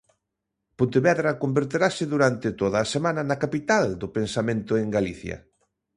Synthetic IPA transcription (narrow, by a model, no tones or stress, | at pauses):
põnt̪eβɛðɾɐkombeɾt̪eɾasɪðuɾant̪et̪oðɐːsemãnɐnɐkapit̪ald̪ʊpensamẽnt̪ʊeŋɡaliθjɐ̰